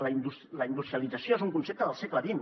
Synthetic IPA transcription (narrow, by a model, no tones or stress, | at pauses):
ləind̪usləind̪ust̪ɾijəlid͡zəsjoezuŋkunsep̚t̪əðəlˠsekləβin